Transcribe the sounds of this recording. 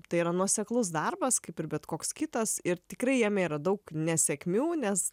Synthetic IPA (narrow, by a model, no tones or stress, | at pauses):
t̪ɐɪiːɾɐnuɔsʲɛklˠʊs̬d̪ɐrbɐskɐɪpɪrbʲɛt̪koːkskʲɪt̪ɐsɪɾt̪ʲɪkɾɐɪjɛːmʲeːɾɐd̪ɐʊknʲɛsʲɛkʲmʲuːnʲɛs